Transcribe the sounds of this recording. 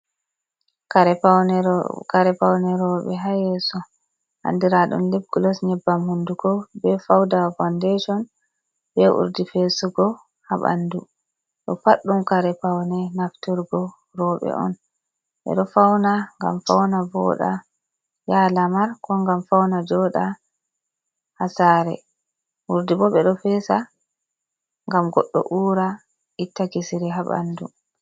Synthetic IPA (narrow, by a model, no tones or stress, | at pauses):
kaɾɛanɛkaɾɛpawnɛɾɔɓɛɦajɛsɔ | ha̰ndiɾaɗṵnlib̚ɡulɔsɲɛbːamhunduɡɔbɛfawdafandeʃɔn | bɛʔṵɾdifesuɡɔ | haɓa̰ndu | ɗɔpaɗːumkaɾɛpawnɛnaftɔɾɡɔ | ɾɔɓɛ̰ʔɔ̰n | ɓɛ̰ɗɔfawnaŋɡa̰mfawnavɔ̰ɗa̰ | jalamaɾkɔŋɡamfawnad͡ʒɔɗa | hasaːɾɛ̰ | ʔuɾdibɔɓɛɗɔfɛsa | ŋɡamɡɔɗːɔ̰ʔuːɾa | ʔitːaɡisiɾɛɦaɓa̰ndṵ